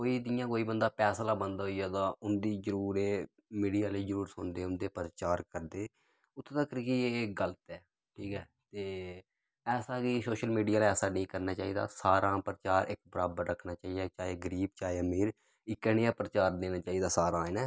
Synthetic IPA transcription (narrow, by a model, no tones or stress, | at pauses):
koːiːd̪ɪjãːkoːiːbənd̪aːpɛːslaːbənd̪ɦoːiːaːt̪ãːʊnd̪iːzəɾuːɾeː | miːɖijaːliːzəɾuːɾsʊnd̪eːʊnd̪eːpəɾt͡ʃaːɾkəɾd̪eː | ʊt̪ʰːeːt̪əkːəɾkieːɡələt̪ɛː | ʈʰiːkɦɛː | t̪eː | ɛːsaːkiːsoːʃəlmiːɖijaːlɛːsaːnĩːkəɾnaːt͡ʃaːiːd̪a̰ːsaːɾãːpəɾət͡ʃaːɾɪkbəɾaːbəɾːəkʰnaːt͡ʃaːiːɛːt͡ʃaːeːɡəɾiːb̚t͡ʃaːeːəmiːɾ | ɪkːəɳːãːpɾt͡ʃaːɾd̪eːnaːt͡ʃaːiːd̪aːsaːɾãːeːnɛː